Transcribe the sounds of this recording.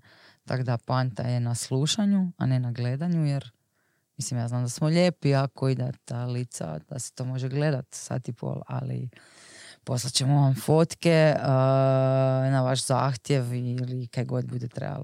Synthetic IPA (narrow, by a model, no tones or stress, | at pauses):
t̪a̰kod̪apant̪a̰jenasluʃaɲua̰ne̞naɡled̪aɲujeɾ | mislimjaːznaːmd̪asmoʎe̞ːpiakoid̪at̪alit̪sa̰d̪̥a̰se̥t̪o̞ːmo̞ʒeɡle̞d̪at̪sa̰t̪ipʰo̰ːlˠa̰lḭ | po̞slˠat͡ɕemuʋamfo̞t̪keə | naʋaʃzaːxt̪je̞ʋilikaɡo̞d̪bud̪et̪ɾḛba̰lo